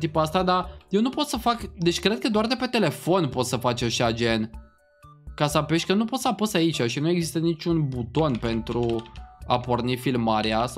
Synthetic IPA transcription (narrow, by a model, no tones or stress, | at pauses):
t̪ipuast̪ad̪aje̞wnupo̞t̪səfakd̪e̞t͡ʃʲkɾe̞d̪̚kəd̪oard̪epe̞t̪e̞le̞fo̞npo̞t̪səfat͡ʃaʃad͡ʒe̞n | kasəapeʃt̪ʲkənupo̞t̪səaposait͡ʃʲaʃinue̞ɡzist̪ənit͡ʃʲunbut̪o̞npe̞nt̪ɾua̰pornifilmaɾias